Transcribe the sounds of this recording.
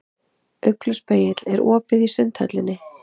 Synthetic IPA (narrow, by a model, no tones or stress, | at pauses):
œklʏspeːjɪt̪lɛɾʔɔːpɪðisʏnt̪ʰœ̰t̪lɪnːɪ